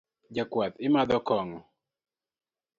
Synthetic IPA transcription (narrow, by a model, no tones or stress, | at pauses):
d͡ʒakwat̪ɪmad̪ɔkɔŋ